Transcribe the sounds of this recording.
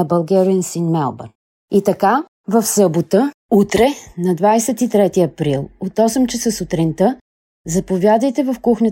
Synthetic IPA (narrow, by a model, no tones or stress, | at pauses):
ɐbɐlˠɡʲɛɾiənsinmɛlˠbə̰ɾ | it̪ɐka | vɐfsɤbot̪ə | ut̪ɾɛnɐd̪vajsɛt̪it̪ɾɛt̪iɐpɾilˠot̪ɔsɛmt͡ʃɛsəsʊt̪ɾint̪ə | zɐpovʲjad̪əjt̪ɛvɐfkuxnʲə